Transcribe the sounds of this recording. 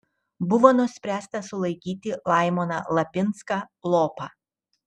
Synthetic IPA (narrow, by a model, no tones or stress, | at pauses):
bʊʋoːnʊsʲpʲɾʲæːst̪ɐsʊlˠɐɪkʲiːt̪ʲɪlˠɑɪmonɑ̰lˠɐpʲɪnskɑlˠoːpɑ